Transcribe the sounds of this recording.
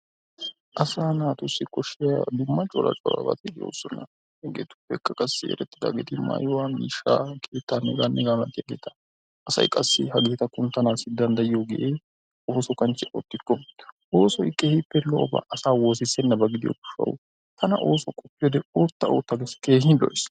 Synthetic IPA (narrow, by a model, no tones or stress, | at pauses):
ʔɐsaːnaːt̪ʊsːɪkʼɔʃːɪjɐd̪ʊmːɐt͡ʃʼɔlɐ̰t͡ʃʼɔːɾɐ̰bɐ̰t̪ɪjo̰ːsːɔnːɐ̰ | hɛɡeːt̪ʊ̥pːɛkːɐkʼɐsːɪɛ̰ɾɛt̪ːɪd̪a̰ːɡeːt̪ɪma̰ːjɔwamiːʃːa̰ːkʼeːt̪ːanːɛɡaːnːɛɡamɐt̪ːɪjaɡeːt̪ɐ̥ | ʔɐsɐ̰jkʼɐsːɪ̰hɐɡeːt̪ɐkːʊnt̪ɐnaːsɪd̪ɐnd̪ɐjɪjɔɡɛʔeː | ʔoːsɔkɐnt͡ʃɛʔɔ̰t̪ːɪkːɔʔoːsɔɪkʼːeːhɪpːɛlɔʔɔbɐ̰ʔɐsaːwoːsɪsɛnːɐbɐɡɪd̪ɪjɔ̰ɡʊ̥ʃːɐ̰wʊ̰ | t̪ʰɐnɐ̰ʔo̞ːsɔkʼɔpʼːɪjɔd̪ɛoːt̪ːɐo̰ːt̪ːɐɡeskeːhɪlɔ̰ʔɪs